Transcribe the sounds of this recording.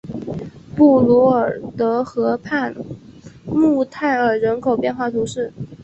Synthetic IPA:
pu˥˩lu˧˥ə˞˨˩t̪ɤ˧˥xɤ˧˥pʰa˥˩ | mu˥˧t̪ʰa˥˩ɪə˞˨˩ɻə˧˥nkʰo˨˩ʊpjɛ˥˧nxwa˥˩t̪ʰu˧˥ʂɻ̩˥˩

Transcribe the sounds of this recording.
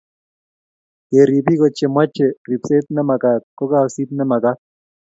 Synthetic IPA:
je˨ɾi˨bi˦kɔ˨t͡ʃe˨mwa˦t͡ʃːe˨ri˨pse˦t̪̚nɛ˦ma˨ka˨t̪̚kɔ˦ka˦˨si˦t̪̚nɛ˦ma˨ka˦

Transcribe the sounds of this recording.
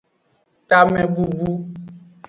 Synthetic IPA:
ta˦mɛ̃˦bu˦bu˦

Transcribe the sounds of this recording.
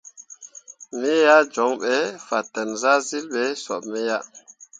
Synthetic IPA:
mi˦ja˦d͡ʒɔ˨˦ŋɓɛ˨˦fa˨tːɛ˨nza˦zi˦lɓɛ˨˦sɔ̰˨ɓmɛ˦ja˦

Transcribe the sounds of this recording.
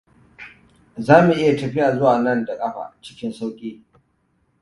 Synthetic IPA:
zaː˦mu˨ʔɪ˦ja˨tɐ˨ɸi˦ʔa˨zʊ˦waː˨nɐ˦˨nda˨kʼɐ˦ɸa̰˨t͡ʃɪ̥˦kʲɪ˦nsa˦wkʲʼiː˦

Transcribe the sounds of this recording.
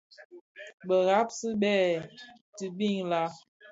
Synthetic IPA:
ɓə˨ɣa˦p̚si˦ɓɛː˦˨ | tɨ˨bi˦˨ŋla˦

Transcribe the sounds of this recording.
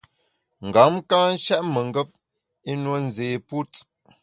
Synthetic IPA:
ŋ̩˨ɡa˨˦mkãː˦n̩˦ʃɛ˦ʔmə˨ŋ˦ɡə˦p̚ | e˦nwə˦n̩˨zeː˨pu˦t͡s

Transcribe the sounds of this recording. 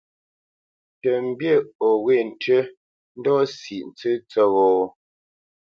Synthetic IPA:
tə˨m̩˦˨bje˦˨ɔ˨ɣwe˦˨n̩˨tə˦ | n̩˦dɔ˦si˨ʔn̩˨t͡sɨ˦t͡sə˦˨ɣɔː˨

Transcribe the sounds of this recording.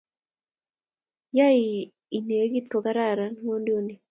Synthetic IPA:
ja˦i˨ | i˨ne˨˦ɡi˦t̪̚ko˨ka˦ɾa˦˨ɾa˨n˦wo˦ndo˦ni˨

